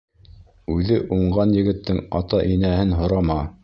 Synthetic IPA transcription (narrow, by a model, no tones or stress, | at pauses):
ʉðɘʔuɴɢɑnjɘ̆ɡɘ̆t̪ːɘŋɑt̪ɑʔinæhɘnɦŏɾɑmɑ